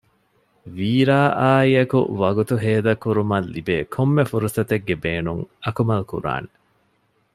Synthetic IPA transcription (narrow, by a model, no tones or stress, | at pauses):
ʋiːɾaːʔaːiɐkṵʋɐɡut̪uɦeːd̪ɐkːuɾumɐlːibeːkʰomːefuɾusɐt̪eɡːebeːnuŋɐkumɐlkṵɾa̰ːne